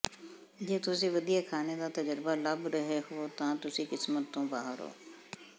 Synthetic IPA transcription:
d͡ʒeːt̪ʊsĩːʋəd̪ijakʰaːned̪aːt̪əd͡ʒəɾɪbaːləbɾəɦeɦot̪ãːt̪ʊsĩːkɪsmət̪ːõːbaːɦəɾɦo̰ː

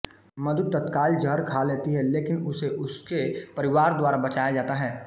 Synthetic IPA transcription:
mɐd̪ʱʊt̪̚t̪ːɐt̪kaːld͡ʒɐɾkʰaleːt̪iɦɛleːkɪnʊseʔʊskepɐɾɪʋaːɾd̪waːɾabɐt͡ʃaːjad͡ʒaːt̪aɦɛː

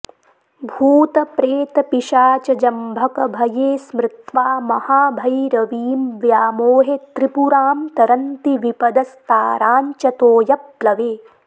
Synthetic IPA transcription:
bʱuːt̪ɐpɾeːt̪ɐpiʃaːt͡ʃɐd͡ʒɐmbʱɐkɐbʱɐjeːsmɾɪt̪ʋaːmɐhaːbʱɐjɾɐʋiːmʋjaːmoːɦet̪ɾipuɾaːmt̪ɐɾɐnt̪iʋipɐd̪ɐst̪aːɾaːɲt͡ʃɐt̪oːjɐplɐʋeː

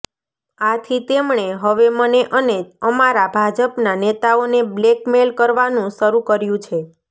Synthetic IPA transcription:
at̪ʰit̪emɳ̃eɦəʋeməneʔəned͡ʒəmaɾabʱad͡ʒəpnanet̪aoneblekmelkəɾʋanũʃəɾukəɾjũt͡ʃʰe

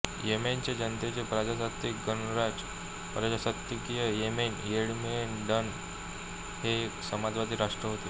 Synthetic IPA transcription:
ement͡ɕed͡ʑənt̪et͡ɕepɾad͡ʑasat̪ikɡənɾad͡ʑ | pɾad͡ʑasat̪jikijəjemenjeɽmenɖən | heksəmad͡zʋad̪iːɾaʂʈɾəɦot̪e

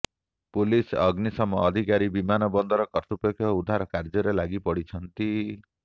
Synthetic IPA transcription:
pulisɔɡnisɔmɔːd̪ʱikaɾibimanɔbɔnd̪ɔɾɔkɔɾt̪upekʰːjɔud̪ʱaɾɔkaɾd͡ʒɔɾelaɡipɔɽit͡ʃʰɔnt̪i

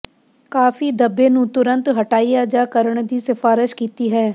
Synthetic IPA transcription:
kaːfiːd̪əbːeːnũːt̪ʊɾə̃nt̪ɦəʈaːijaːd͡ʒaːkəɾəɳd̪iːsɪfʰaːɾɪʃkiːt̪iːɦɛː

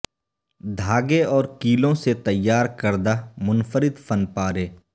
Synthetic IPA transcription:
d̪ʱaːɡeɔːɾkiːlõset̪ɐjːaːɾkəɾd̪amʊnfəɾɪd̪fənpaːɾeː

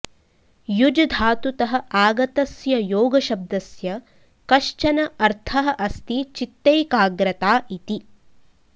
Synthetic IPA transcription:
jud͡ʒɐd̪ʱaːt̪ut̪ɐɦɐ̆aːɡɐt̪ɐsjɐjoːɡɐʃɐb̚d̪ɐsjɐ | kɐʃt͡ʃɐnɐɐɾt̪ʰɐɦɐ̆ʔɐst̪it͡ʃit̪ːɐjkaːɡɾɐt̪aːʔit̪i

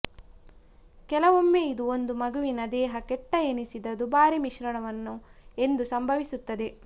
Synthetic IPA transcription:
kɛlɐʋomːeid̪uond̪umɐɡuʋinɐd̪ɛːɦɐkɛʈːɐenisid̪ɐd̪ubaːɾimiʃɾɐɳɐʋɐnːue̞nd̪usɐmbʱɐʋisut̪ːɐd̪e̞

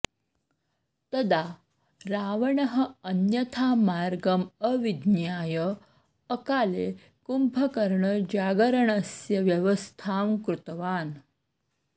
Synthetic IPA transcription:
t̪əd̪a | ɾaʋəɳəɦəənjət̪ʰamaɾɡəməʋid̪njaːjəː | kale | kumpʰəkəɾɳəd͡ʑaɡəɾəɳəsjəʋjəʋəst̪ʰamkɾut̪ʋaːn

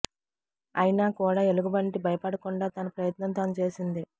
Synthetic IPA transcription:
ɐjnaːkuːɽaːeluɡubɐɳʈibʱɐjɐpɐɽɐkuɳɖaːt̪ɐnɐpɾɐjɐt̪nɐnt̪ɐnt͡ʃe̞ːsind̪i

